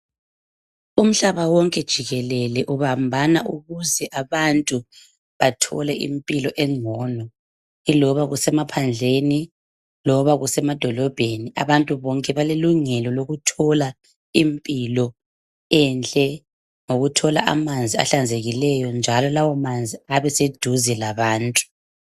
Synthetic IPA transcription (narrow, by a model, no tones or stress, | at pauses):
um̩ɬaβawɔŋkʼɛd̥ʒ̥ʱiɣɛlɛlɛʔuβambʱanaʔuɣuzɛʔaβantʼu | βatʰɔ̰lɛʔḭmpʼilɔʔɛŋɔnɔ | ilɔβaɣusɛmapʰand͡ɮʱeni | lɔβaɣusɛmad̥ʱɔlɔb̥ʱenia̰βantʼuβɔŋkʼɛβaleluŋɛlɔloɣutʰɔla | impʼilɔ | ɛnt͡ɬʼɛ | ŋoɣutʰɔlaʔa̰mand͡zʱia̰ɬand͡zʱeɣilɛjɔnd͡ʒʱalɔlawɔmand͡zʱiaβɛsed̥ʱuzɛlaβaːntʼu̥